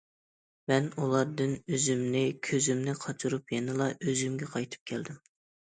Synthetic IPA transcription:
mɛnulˠɑɾd̪ɨnøzymnɪkʲʰøzymnɪqʰɑt͡ʃʰuɾupjenɪlˠɑʔøzymɡʲɛqʰɑjt̪ʰɨ̥p̚kʲʰɛld̪ɪm

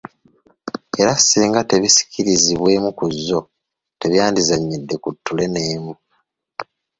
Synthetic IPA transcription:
e̞ɾasiːŋɡate̞βisi̥ciɾiziβwe̞ːmukuzːo̞ | te̞βjaːndizaɲːidːe̞kutːule̞ne̞ːmu

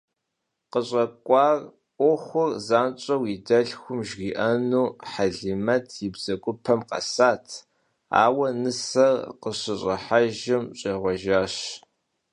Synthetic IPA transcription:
qəɕʼɐkʷʼɑːr | ʔʷoxʷʊrzaːnt͡ʃʼɐwidɐɬxʷʊmʒʁiːʔɐnuːħaɮimɐtʰjɪbz̥ɐkʷʼʊpʰɐmqɐ̰saːtʰ | a̰ːwɐnɨsɐrqəɕɪɕʼɐħaʒɪmɕʼeːʁʷɔʒaːɕ

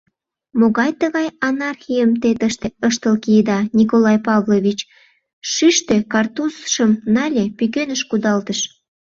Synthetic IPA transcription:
moɣɑjt̪əɣɑjɑnɑrxʲijəmt̪et̪əʃt̪eəʃt̪əlkiəd̪ɑnʲikolɑjpɑvloβʲit͡ɕ | ʃyʃt̪ekɑrt̪usʃəmnɑlʲepykønəʃkud̪ɑlt̪əʃ

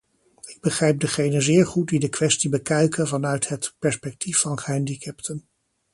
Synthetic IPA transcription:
ɪɡ̚bəχrejp̚dəχejnənzɪːɹχut̚didəkʋɛstibəkœɥkənvɑnœɥtɦətpɛɹspɛk̚tʰifɑnɛndikʰɛptʰən

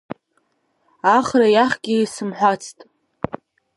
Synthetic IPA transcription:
aχrajaχɡʲiisɨmħʷat͡sʰtʼ

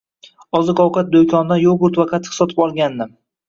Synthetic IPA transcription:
ɒzɪqɒwqɑt̪̚d̪okʲʰɒnd̪anjobʊɾt̪vaqʰat̪ʰːɪ̥sɒt̪ʰɪpɒlˠɡʲand̪ɪm

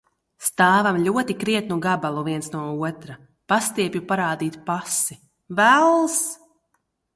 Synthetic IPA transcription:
st̪aːvamlʲuɔt̪ikɾiɛt̪nuɡabalˠuviɛnsnuɔuɔt̪ɾa | past̪iɛpʲjupaɾaːd̪iːt̪pasi | vælˠs

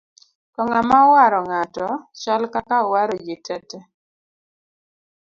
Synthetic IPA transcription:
kɔŋamawaɾɔŋatɔt͡ʃɔlkakawaɾɔd͡ʒɪtʰɛtɛ

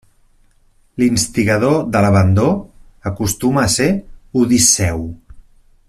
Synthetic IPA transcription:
linst̪iɣəð̞oðələβənd̪oəkust̪uməːseuðisɛw

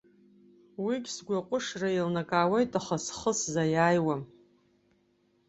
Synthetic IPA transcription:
wiɡʲsɡʷaqʷʼʊʂrailnakʼaːwejtʼaχasχəszajaːjwam

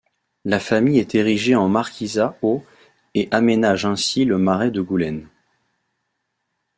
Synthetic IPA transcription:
lafamijɛt̪eʁiʒeɑ̃maʁkʲʰizao | eʔamenaʒɛ̃siləmaʁɛd̪əɡulɛn

